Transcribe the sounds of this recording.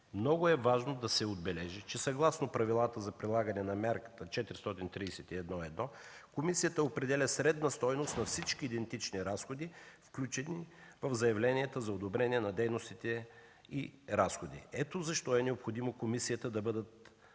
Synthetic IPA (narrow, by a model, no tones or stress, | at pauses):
mnɔɡʊɛvaʒnod̪ɐsɛod̪̚bɛlɛʒit͡ʃɛsɐɡlˠasnopɾɐvilˠat̪əzɐpɾilˠaɡənɛnɐmʲaɾkə̥t̪ət͡ʃɛt̪iɾist̪ɔt̪int̪ɾiːsɛt̪iɛd̪nɔɛd̪nɔkomisijət̪əopɾɛd̪ɛlʲɐsɾɛd̪nɐst̪ɔjnost̪nɐfsit͡ʃkiːd̪ɛnt̪it͡ʃniɾasxod̪ifklʲut͡ʃɛnivɐvzɐjɐvlɛniɛt̪əzɐod̪obɾɛniɛnɐd̪ɛjnost̪it̪ɛ | iɾasxod̪ḭɛt̪ozɐʃt̪ɔɛnɛopxod̪imokomisiət̪əd̪ɐbɤd̪ət̪̚